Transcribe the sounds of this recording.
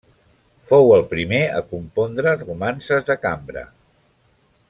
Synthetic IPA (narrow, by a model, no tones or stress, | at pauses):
fowəlˠpɾimeə̰kumpond̪ɾərumansəzðəkambɾə̰